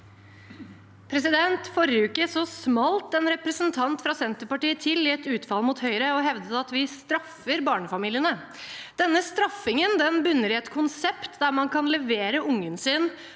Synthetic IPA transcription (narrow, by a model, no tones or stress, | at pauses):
pʰɾɛsɪd̪ɛnt̪fɔɾʉːkəʂɔsmɑlt̪ɛnɾɛpɾəsənt̪ʰɑnt̪fɾɑsɛnt̪əpɑʈiːət̪ʰɪlːɪɛt̪ʉːt̪fɑlmuːt̪hœʏɾəɔɦɛʋd̪ət̪ɑt̪ʋɪst̪ɾɑfːəɾbɑːɳəfɑmiːlɪənə | d̪̥ɛnːəst̪ɾɑfɪŋənd̪ɛnbʉnːəɾɪɛt̪kʰʊnsɛpt̪d̪æɾmɑnkʰɑnlɛʋeːɾəʊŋːənsɪn